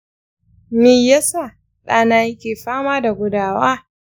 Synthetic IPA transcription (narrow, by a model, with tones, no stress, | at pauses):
miː˨ja˦saː˦˨ | ɗaː˨naː˦jɪ˦kʲeː˨ɸaː˦maː˦da˨ɡʷʊ˦daː˦˨waː˦